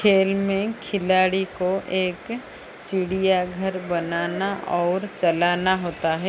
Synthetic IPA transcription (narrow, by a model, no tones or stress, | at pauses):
kʰeːlmẽkʰɪlaːɽikoʔeːk | t͡ʃɪɽijaɡʱəɾbɐnaːnaʔɔːɾt͡ʃɐlaːnaɦoːt̪aɦɛː